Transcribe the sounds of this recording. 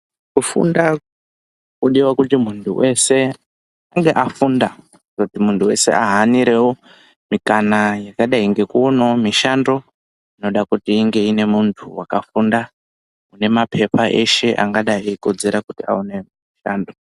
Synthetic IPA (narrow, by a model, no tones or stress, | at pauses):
kufṵnda | kuɗiwakutimuntʰṵwʔe̞se̞ | aŋɡe̞ʔafunda | zokutimuntʰuwe̞̰se̞̰ʔaɦaniɾe̞wo | mikanajakaɗaiŋɡe̞kuonomiʃando̞ | ino̞ɗakutiːŋɡe̞ine̞muntʰuwakafunda | mune̞mapʰe̞pʰaʔe̞̰ʃe̞ʔa̰ŋɡaɗaikod͡ze̞ɾakutia̰une̞miʃaːndo